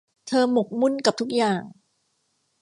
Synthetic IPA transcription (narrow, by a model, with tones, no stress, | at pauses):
t̪ʰɤː˧mu˨˩k̚mu˥˩˨nka˨˩p̚t̪ʰu˦˥k̚jaː˨˩ŋ